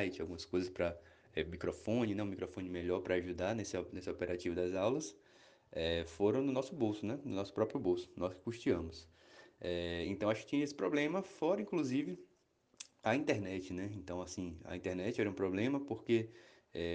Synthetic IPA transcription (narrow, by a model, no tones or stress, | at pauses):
jt͡ʃɪawɡũmɐskojzɐspɾɐ | ɛmikɾofõnɪnɛũmikɾofõnɪmeʎɔɾpɾɐːʒud̪anesɪnesɪopeɾʔat͡ʃivʊd̪ɐzawlɐs | ɛfoɾɐ̃w̃nʊnɔsʊbowsʊnɛnʊnɔsʊ̥pɾɔpɾjʊbowsʊ̥nɔskɪ̥kuʃt͡ʃiɐ̃mʊs | ɛẽnt̪ɐ̃w̃aʃʊ̥kɪ̥t͡ʃĩɲ̃ɐ̃esɪ̥pɾoblẽmɐfɔɾɐĩkluzivɪ | aĩt̪ɛɾnɛt͡ʃɪnɛẽt̪ɐ̃w̃asĩɐ̰ĩt̪ɛɾnɛt͡ʃɪɛɾɐũpɾoblẽmɐpoɾke | ɛ